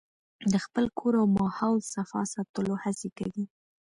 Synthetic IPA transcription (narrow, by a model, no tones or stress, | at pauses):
d̪əxpəlkʰoɾawmɑhawsafɑ̰sɑt̪əlohasekawi